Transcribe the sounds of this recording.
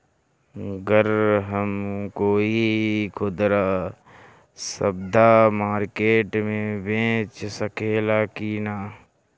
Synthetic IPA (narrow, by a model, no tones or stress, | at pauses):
ɡəɾɦəmkoːikʰʊd̪ɾaː | səb̚d̪ʱamaːɾkeːʈmẽbẽːt͡ʃsəkeːlaːkinaː